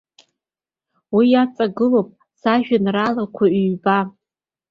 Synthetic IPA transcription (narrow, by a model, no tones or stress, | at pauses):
wijat͡sʼaɡɨlopʼ | saʒᶣanralakʷʰaːba